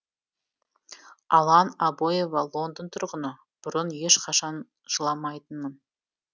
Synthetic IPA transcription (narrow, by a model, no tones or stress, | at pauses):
ɑlˠɑnɑbojevɑlˠo̞nd̪ənt̪ʰʊɾʁənə | b̥ʊɾənje̞ʃqʰɑʃɑn | ʒ̥əlˠɑmɑjt̪ənmən